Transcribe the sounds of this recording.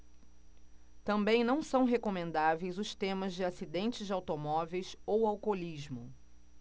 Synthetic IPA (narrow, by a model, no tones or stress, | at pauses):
t̪ɐ̃mbẽj̃nɐ̃w̃sɐ̃w̃ɦekomẽnd̪avejzʊst̪ẽmɐzd͡ʒɪasid̪ẽnt͡ʃɪzd͡ʒɪawt̪omɔvejsowawkoliʒmʊ